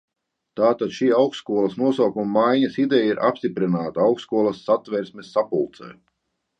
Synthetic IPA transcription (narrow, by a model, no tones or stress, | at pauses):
t̪aːt̪ad̪ʃiːawkskuɔlˠɐsnuɔsawkumamajɲasid̪ɛjaiɾʔa̰pst̪ipɾinaːt̪aawkskuɔlˠɐsːat̪vɛɾsmesːapulˠt̪sɛ̰j